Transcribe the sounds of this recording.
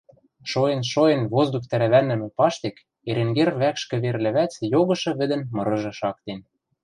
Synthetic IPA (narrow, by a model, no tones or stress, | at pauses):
ʃojĕnʃojĕnβozd̪uk̚t̪æɾæβænːɘ̆mĕpɑʃt̪ek | eɾĕŋɡerβækʃkɘ̆βerlɘ̆βæt͡sjoɣɤ̆ʃɤ̆βɘ̆d̪ɘ̆nmɤ̆ɾɤ̆ʒɤ̆ʃɑkt̪en